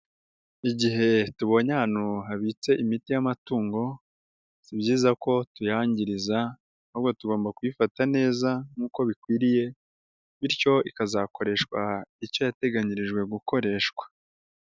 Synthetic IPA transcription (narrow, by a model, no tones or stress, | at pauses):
iɟiɦe̞tuβo̞ɲanuɦaβiːt͡se̞ʔimitijamatuːŋɡo̞ | sibɟiːzako̞tujaːɲɟiɾiza | huβɡo̞tuɡo̞ːmbakuifatane̞ːzaŋuːko̞βikwiːɾije̞ | βiɾco̞ikazako̞ɾe̞ʃkwaico̞jate̞ɡaɲiɾiʒɡwe̞ɡuko̞ɾe̞ːʃkwḁ